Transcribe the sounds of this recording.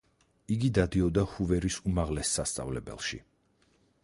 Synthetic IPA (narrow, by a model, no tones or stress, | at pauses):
iɡid̪ad̪iɔd̪ahuvɛɾisumaʁlɛsːast̪sʼa̰vlɛbɛ̰lˠʃḭ